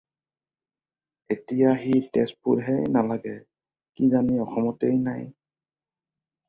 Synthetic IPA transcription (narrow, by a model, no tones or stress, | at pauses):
etijaxitɛspudɦɛnalaɡɛ | kizaniɔxɔmɔtejnaj